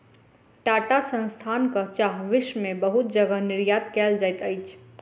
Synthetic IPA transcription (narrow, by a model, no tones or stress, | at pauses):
ʈaʈasə̃nst̪ʰaːnkat͡ʃaɦʋɪʃmẽbəɦut̪̚d͡ʒəɡənɪɾjat̪kɛːld͡ʒajt̪əjt͡ʃʰ